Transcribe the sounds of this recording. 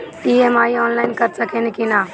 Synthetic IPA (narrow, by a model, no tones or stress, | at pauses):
ʈiːeːmaːiɔːnlaːɪnkəɾsəkʰenɪkinaː